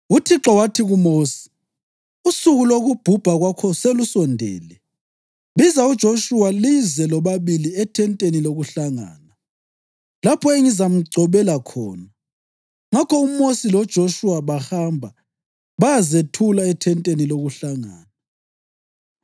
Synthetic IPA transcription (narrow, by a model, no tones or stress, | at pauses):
utʰiǁɔwatʰiɣumoːsi̥ | usuɣuloɣub̥ʱub̥ʱaɣwakʰɔselusɔndʱɛ̰ːlɛ | βizaud̥ʒ̥ʱoʃuwalizɛlɔβaβiliɛtʰɛntʼeniloɣuɬaŋa̰ːna | lapʰɔeŋizam̩ɡ͡ǀʱɔβɛlakʰɔ̰ːna | ŋakʰɔumosilɔd̥ʒ̥ʱoʃuwaβahambʱa | βajazetʰulaɛtʰɛntʼeniloɣuɬaŋa̰ːna